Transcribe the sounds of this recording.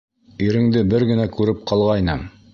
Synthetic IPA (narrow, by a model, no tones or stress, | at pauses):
iɾɘ̆ŋd̪ɘbɘɾɡɘ̆nækʉɾɘp̚qɑlˠʁɑjnɤm